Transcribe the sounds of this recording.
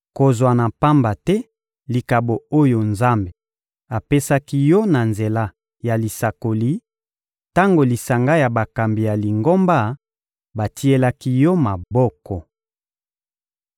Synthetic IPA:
ko˨zwa˨na˨pa˦mba˨tɛ˦ | li˨ka˨bo˨o˦jo˨nza˦mbe˨ | a˨pe˦sa˦ki˦jɔ˦na˨nze˨la˦ | ja˨li˨sa˨ko˨li˦ | ta˦ŋɡo˨li˨sa˨ŋɡa˦ja˨ba˨ka˨mbi˨ja˨li˨ŋɡo˦mba˦ | ba˨tʰi˦e˦la˦ki˦jɔ˦ma˨bɔ˦kɔ˨

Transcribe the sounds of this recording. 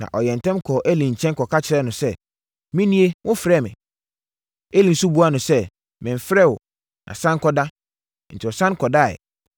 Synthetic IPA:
nã̰˨ʔɔ˨jɛ̃˨n̩˨tʰɛ̃˦mkʰɔ˨ʔæ˦lĩ˨ɲ̩˨t͡ɕʰɛ̃˦n˦kʰɔ˨kʰa˦t͡ɕʰɪ˨ɾɛ˦nʊ̃˨sɛ˦ | mĩ˦nĩ˦e˦wʊ̃˦fɾɛ˦˨mɪ̰̃˨ | e˦lĩ˨n̩˨su˦bu˦a˦nʊ̃˨sɛ˦ | mɪ̃˨m̩˨fɾɛ˦˨wɔ˨ | nʔã̰˨sã˦ŋ˦kʰɔ˦da˦ | n̩˨tʰɪ˨ɔ˨sã˦n˦kʰɔ˨da˦˨ɛ̰˨

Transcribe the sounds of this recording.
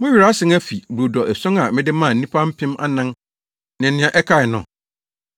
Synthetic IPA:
mʊ̃˦ɥi˨ɾa˦sɪ̃˨˦ŋæ˦fi˨bu˨dɔ˨ʔɛ˨sʊ̃˦ŋa˨mɪ̃˦dɪ˦mãː˦˨ĩ˦pʰa˦m̩˦pʰɪ̃˦ma̰˦nã˦ŋ | nɪ̃˨nɪ̃˦ã˨ʔɛ˦kʰa˦˨ɪ˨nʊ̰̃˨

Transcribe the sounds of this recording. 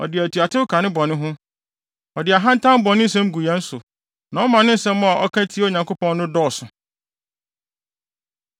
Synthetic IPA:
ɔ̰˨dɪ˨æ˨tʰu˨a˨tʰɪ˦ʊ˦kʰa˨nɪ̃˦bɔ˨nɪ̃˦ɦʊ̃˦ | ɔ˨dɪ˨a˨ɦã˦n̩˦tʰã˦m˦bɔ˨nɪ̃˦n̩˦sɛ̃˦m̩˦ɡu˨a˦n̩˦sʊ˨ | nã˨ɔ˦mã˨nɪ̃˦n̩˦sɛ̃˦m̃ː˦a˨ʔɔ˦kʰã˦tʰi˦o˨ɲã˨ŋko˦pɔ̃˦nːʊ̃˦dɔː˦˨sʊ˨

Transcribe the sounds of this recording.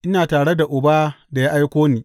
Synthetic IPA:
ʔɪ˦naː˨taː˨ɽe˦da˨ʔʊ˨baː˦da˨ja˦ʔa˦jkʷoː˦niː˨

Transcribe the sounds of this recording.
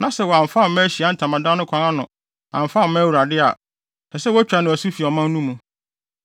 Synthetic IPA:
nã˨sɛ˦wɔ˨a˨m̩˨fa˦m˨mɛ̃˦ɕi˨a˨˦n̩˨tʰã˨mã˨dã˦nʊ̃˦kʷʰã˨ŋã˦nʊ̰̃˨ | ã˨m̩˨fa˦mɛ̃˦wu˨ɾa˨dɪ˦a̰˨ | nɛ˨sɛ˦wɔ˦æ˦t͡ɕᶣa˨nɪ̃˨æ˨su˦fi˨ɔ˨mã˦n˦nũ˦mũ˨

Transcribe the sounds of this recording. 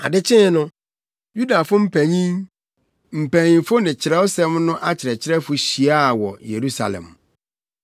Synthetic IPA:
a̰˨dɪ˦t͡ɕʰɪ̃˦nʊ̃˦ | ju˦da˨fʊ˦m̩˦pʰæ̃˨ɲĩ˦ŋ | m̩˨pʰæ˨ɲĩ˨fʊ˦nɪ̃˨t͡ɕʰɪ˨ɾɛ˦o˦sɛ˦mnʊ̃˦ʔa˦t͡ɕʰɪ˨ɾɛ˨t͡ɕʰɪ˦ɾɛ˦fʊ˦ɕi˨a˦˨wɔ˨je˨ɾu˦sa̰˨lɛ̰̃˨m

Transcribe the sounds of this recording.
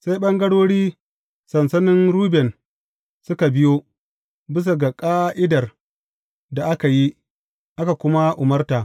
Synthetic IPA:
sa˦jɓɐ˦ŋɡɐ˦ɽoː˦ɽiː˦ | sɐ˨nsɐ˦nɪ˦nɾuː˦bɛ˨n | sʊ˦ka˨bɪ˦joː˦ | bɪ˦s̬a˨ɡa˨kʼaː˦ʔɪ˦dɐ˨r | da˨ʔa˦ka˨ji˦ | ʔa˦ka˨kʷʊ˦ma˦ʔʊ˨mɐ˦rtaː˨ʔ

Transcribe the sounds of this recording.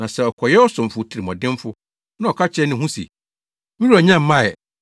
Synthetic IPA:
nã˨sɛ˨ɔ˨kʰɔ˨jɛ˦ɔ˦sʊ̃˨m˨fʊ˨tʰi˨ɾi˨mɔ̃˨dɪ̃˦m˦fʊ˦ | nã˦ɔ˨kʰa˦t͡ɕʰɛ˦nɪ̃˦ɦũ˦sḭ˨ | mĩ˦ɾu˦a˨ɲã˦m̩˦mã˦˨ɛ˨

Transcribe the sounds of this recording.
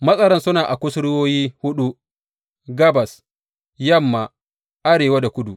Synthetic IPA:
mɐ˦sʼɐ˦ɽɐ˦nsʊ˦naː˨ʔa˨kʷʊ˦sɽɪ˦woː˦jiː˦hʊ˦ɗu˦ | ɡɐ˦bɐ˨s | jɐ˦˨mːa˨ | ʔa˦ɽeː˨wa˦da˨kʷʊ˦du˨

